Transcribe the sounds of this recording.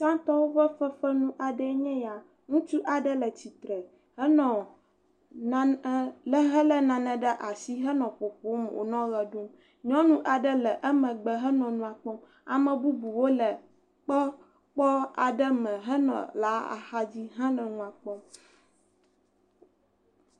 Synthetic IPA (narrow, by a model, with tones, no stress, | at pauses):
t͡ʃã˦t̪ɔ˦wo˦vɛ˦fɛ˦fɛ˦nũ˦ʔa˨ɖɛ˦ɲɛ̃˦ja˨ | ŋũ˦t͡ʃu˦ʔa˨ɖɛ˦lɛ˨t͡ɕi˨t̪ɾɛ˨ | hɛ˦nɔ̃˨˦ | lɛ˦ɦɛ˦lɛ˦nã˨nɛ̃˨ɖɛ˦ʔa˨si˦ɦɛ˦nɔ̃˨ɸo˨ɸo˦mwo̰˨nɔ̃˦ɣɛ˨ɖo˦m | ɲɔ̃˦nũ˦ʔa˨ɖə˦lɛ˨ʔɛ˦mɛ̃˨ɡ͡bɛ˨ɦɛ˦nɔ̃˨nũ˦a˨k͡pɔ˦m | a˨mɛ̃˨bu˦bu˨wo˦lɛ˨ | k͡pɔ˦ | k͡pɔ˦a˨ɖə˦mɛ̃˨ɦɛ˦nɔ̰̃˨la˨˦a̰˨ha˦d͡ʑi˦ɦã˦nɛ̃˨nũ˦a˨k͡pɔ˦m